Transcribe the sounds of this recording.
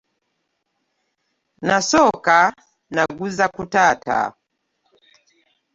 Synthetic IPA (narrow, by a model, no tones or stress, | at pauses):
nasɔka | naɡuzakutata̰